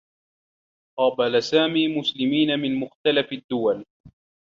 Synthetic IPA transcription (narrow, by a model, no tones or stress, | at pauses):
qɑːbalasaːmiːmʊslɪmiːnamɪnmʊxt̪alafad̪ːʊwal